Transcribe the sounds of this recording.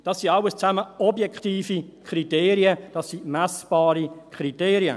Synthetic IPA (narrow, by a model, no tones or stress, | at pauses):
d̥ɑsːiɑwəst͡saməɔbjɛkχtiːfikʰriteːɾiəd̥ɑsːimæsb̥ɑːɾikʰriteːɾiə̰